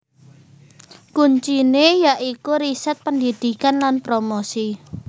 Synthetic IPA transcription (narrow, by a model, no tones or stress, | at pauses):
kuɲt͡ʃinejaʔikuɾisɛt̪̚pəndid̪̥i̤kanlanpɾomosi